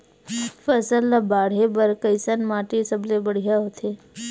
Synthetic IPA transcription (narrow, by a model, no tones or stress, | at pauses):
fəsəlabaːɽ̤ebəɾkəɪsənmaːʈesəblebəɽ̤ijaɦot̪ʰeː